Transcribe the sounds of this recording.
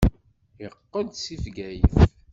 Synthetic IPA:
əqːənd̪sifɡæjə̰f

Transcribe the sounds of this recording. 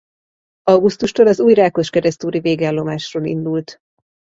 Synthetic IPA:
ɒwɡust̪uʃt̪olɒzuːjraːko̞ʃkɛɾɛst̪uːɾiveːɡɛlːo̞maːʃroːlḭnd̪ult̪

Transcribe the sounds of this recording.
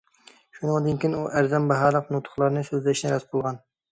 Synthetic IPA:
ʃunɨŋd̪ɨnkʲinuʔæɾzɛmbɑɦɑːlˠəqnut̪ʰʊ̥χlˠɑɾnɨsøzlɛʃnɛɾɛt̪bolˠʁɑn

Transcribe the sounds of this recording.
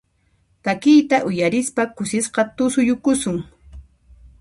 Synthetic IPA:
t̪akɪjt̪aʔʊjaɾɪspakʊsɪsqɑt̪ʊsʊjʊkʊsʊŋ

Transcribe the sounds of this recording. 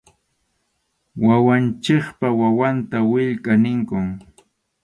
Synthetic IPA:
wawant͡ʃɪχpawawant̪awɪʎkʼanɪŋkʊŋ

